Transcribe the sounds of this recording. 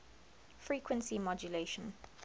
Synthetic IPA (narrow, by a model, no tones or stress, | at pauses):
fɹiːkʰwə̃nsimɔd͡ʒuleːʃə̃n